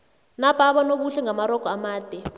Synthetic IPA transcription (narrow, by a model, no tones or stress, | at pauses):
napʰʼaɓɔnoɓuɬɛŋamaɾɔkʼɔamaːd̥ʱɛ